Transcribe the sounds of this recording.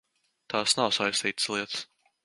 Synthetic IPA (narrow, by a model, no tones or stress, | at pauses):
t̪ɑːsnawsajst̪iːt̪slˠiɛt̪s